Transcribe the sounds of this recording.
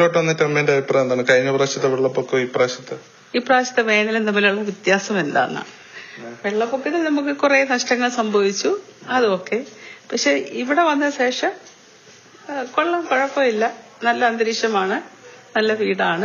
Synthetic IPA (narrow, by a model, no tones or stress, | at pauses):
lo̞ːʈːʋɐnːɐtːɐmːendɐʋipːrɐend̪aːɳɨkɐjnːɐpraːɕɐt̪ːɐʋeɭːɐpːokːɨiːpraːɕɐt̪ːɨ | iːpraːɕɐt̪ːɨʋeːnɐlnɐmːɐiluɭːɐʋit̪jaːsɐme̞nd̪a̰ːnːɐ̰ | ʋeɭːɐpːokːiðinɐmukːɨkurenɐʂʈɐŋːɐɭsɐmbʱɐʋit͡ɕːuɐðɨokːe̞pɐkʂe̞iʋiɽe̞ʋɐnːɐɕe̞ːʂɐm | koɭːɐmkoɻɐpːojilːɐ | nɐlːɐɐnd̪ɐɾiʂjɐmaːɳɨnɐlːɐʋiːɽaːɳɨ